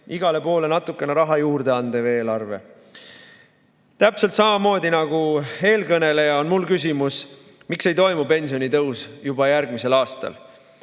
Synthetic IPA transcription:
iɡɑle̞po̞ːle̞nɑt̪ːˑukːˑe̞neɾɑɦɑjuːrd̪̥e̞ɑnd̪̥eve̞ːlɑrve̞ | t̪æpselt̪sɑmɑmo̞ːd̪inɑɡ̥ue̞ːlkɤne̞le̞jɑo̞nmulkys̬ʲimus | mikse̞jt̪o̞jmupe̞nʲsio̞nit̪ɤwsjubɑjæɾɡ̥mise̞lɑːst̪ɑ̰l

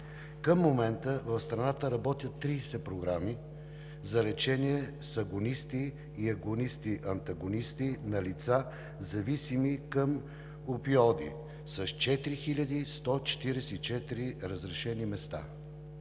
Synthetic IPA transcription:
kəmːomɛnt̪əvɐfst̪ɾɐnat̪əɾɐbɔt̪ʲjət̪ːɾiːsɛpɾoɡɾami | zɐlɛt͡ʃɛniɛ | sɐɡonist̪iː | ɐɡonist̪iʔɐnt̪ɐɡonist̪inɐlit̪sa | zɐvisimikəm | opiɔd̪ḭ | sɐʃt͡ʃɛt̪ɾixilʲəd̪ist̪ɔt͡ʃɛ̥t̪iɾɛsɛit͡ʃɛt̪iɾiɾəzɾɛʃɛnimɛst̪a̰

